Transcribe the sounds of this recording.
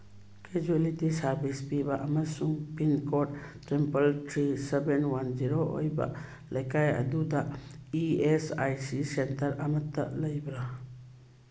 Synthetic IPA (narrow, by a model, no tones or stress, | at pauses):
ked͡ʒuelitisaɾbispibaʔəməɾsũŋpinkɔʈʈɾɛmpəlʈʰɾisɛbɛnwand͡ʒiɾoʔo̰jba̰ʔ | lʔəjkajə̰d̪ud̪aʔiɛsajsisɛnt̪əɾamət̪ːaʔləjbɾa